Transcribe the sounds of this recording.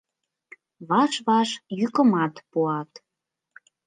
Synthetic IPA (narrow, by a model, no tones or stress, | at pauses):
βɑʃβɑʃjykəmɑt̪puɑt̪